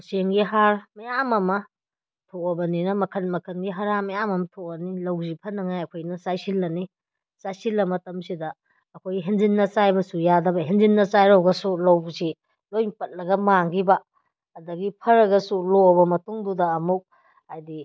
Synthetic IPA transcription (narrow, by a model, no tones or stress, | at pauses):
seŋɡiɦaɾmɐjamɐmɐ | tʰoɐbɐninɐmɐkʰɐnmɐkʰɐnɡiɦaɾamɐjamɐmɐtʰoɐnilɐwzipʰɐnɐŋajɐkʰojnɐsajsilːɐni | sajsilːɐmɐtɐmsidɐː | kʰojɦenzinːɐsajbɐsujadɐbɐɦenzinːɐsajɾowɡɐsulɐwzi | lojpɐt̚lɐɡɐmaŋɡibɐː | dɐɡipʰɐɾɐɡɐsulobɐmɐtuŋdudɐːmuk̚ | hajdi